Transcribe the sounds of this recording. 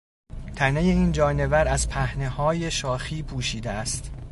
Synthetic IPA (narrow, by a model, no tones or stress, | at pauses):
t̪ʰæne̞je̞iːnd͡ʒɒːne̞væɾæzpʰæhne̞hɒːje̞ʃɒːxiːpʰuːʃiːd̪eæst̪